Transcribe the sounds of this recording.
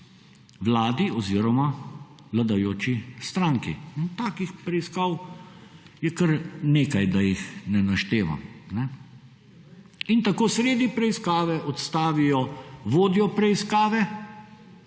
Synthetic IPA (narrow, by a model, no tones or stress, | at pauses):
ʋlaːd̪iɔziːɾɔma | ʋlad̪ajoːt͡ʃist̪ɾaŋkḭnt̪aːkixpɾɛiskaw | jɛkəɾneːkajd̪ajixnɛnaʃt̪eːʋa̰mnɛ | int̪akoːsɾeːd̪ipɾɛiskaːʋɛʔɔt̪st̪aːʋijɔʋoːd̪ijɔpɾɛiskaːʋɛ